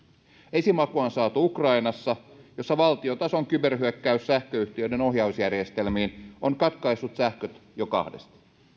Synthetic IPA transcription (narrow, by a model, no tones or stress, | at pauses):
esimɑkuɑnsɑːt̪uukrɑinɑsːɑjo̞sːɑʋɑlt̪iot̪ɑsoŋkyberhyekːæyssæhkøyht̪iødeno̞hjɑusjærje̞st̪elmiːnoŋkɑt̪kɑisːut̪sæhkøt̪jokɑ̰hde̞̰st̪